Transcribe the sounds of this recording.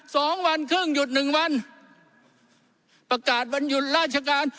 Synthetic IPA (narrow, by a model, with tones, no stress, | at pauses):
sɔː˨˩˦ŋwa˧nkʰɯː˥˩ŋju˨˩t̪̚nɯ˨˩ŋwa˧n | pɾa˧kaː˨˩t̪̚wa˧nju˨˩t̪̚ɾaː˥˩t̪̚t͡ɕʰa˧kaː˧n